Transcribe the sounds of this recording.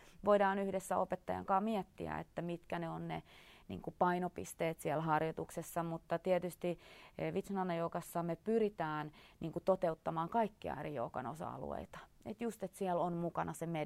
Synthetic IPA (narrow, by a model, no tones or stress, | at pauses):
ʋoidɑːnyhdesːæopet̪ːɑjɑ̰ŋkɑːmiɛt̪ːḭæ̰ḛt̪ːæmit̪kæneonnḛnḭːŋkupɑinopḭst̪eːt̪siɛlhɑrjot̪uksesːɑmut̪ːɑt̪iɛt̪yst̪iʋit̪snɑnːɑjoːkɑsːɑmepyrit̪æːnnʔiːŋkut̪ot̪eut̪ːɑmɑːŋkɑikːiɑ̰erijo̰ːkɑ̰no̰sɑ̰ɑ̰lṵḛit̪ɑ̥ḛt̪just̪et̪siɛlonmukɑnɑseme